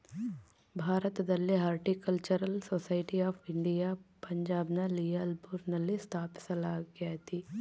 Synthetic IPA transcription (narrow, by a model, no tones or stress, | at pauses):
bʱaːɾət̪d̪ɐlːiɦaːɾʈikɐlt͡ʃɐɾəlsoːsaːɪʈiaːpʰɪ̃ɳɖijapɐɲd͡ʒaːbnalijalbuɾnɐlːist̪ʰaːpsɐlaːɡjat̪ʰiː